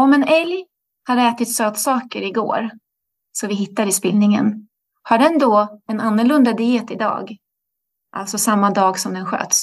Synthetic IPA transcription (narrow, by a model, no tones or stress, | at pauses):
ɔmɛnɛlj | haɾɛːt̪ɪt̪søːt̪sɑːkəɾɪɡo̰ːɾ | sɔvɪɦɪt̪ːaɾɪspɪlnɪŋə̰n | haɖɛnd̪ɔɛnanːʊɭɵnd̪ad̪ɪɛːt̪ɪd̪ɑ̰ːɡ | ʔa̰lt̪sɔsamːad̪ɑːɡsɔmd̪ɛnɧø̰ːt̪s